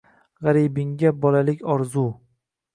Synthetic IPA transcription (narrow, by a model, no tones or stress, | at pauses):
ʁaɾibɪŋɡʲabɒlalɪkʲɒɾzu